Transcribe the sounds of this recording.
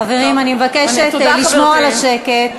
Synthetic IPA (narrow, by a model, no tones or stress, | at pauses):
aveʁimanimevakeʃetliʃmoalaʃeket